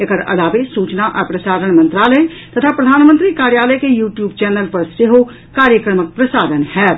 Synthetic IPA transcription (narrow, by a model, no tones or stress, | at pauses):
ɐɡəɾɐ̰laːbesuːt͡ʃnaʔəpɾəsaːɾəɽ̃mə̃nt̪ɾaːləj | t̪ɐt̪ʰapɾəd̪ʱaːnmə̃nt̪ɾikaːɾjaːləjkejuːʈjuːbt͡ʃɛːnəlpɐɾsɪɦo | kaːɾjəkɾəmək̚pɾəsaːd̪ənhɛː